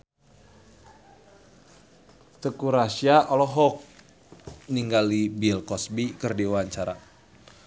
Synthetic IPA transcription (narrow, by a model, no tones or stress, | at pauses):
t̪əkuɾasiaʔɔlɔɦɔk̚ | niŋɡalibilkɔsbikərdiwaɲt͡ʃaɾa̰